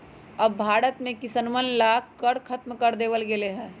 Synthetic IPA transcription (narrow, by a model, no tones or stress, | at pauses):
əbbʱaːɽət̪mẽkɪsənmənlaːkəɾkʰɐt̪mkəɾd̪eːʋəlɡeleɦɛ̃ː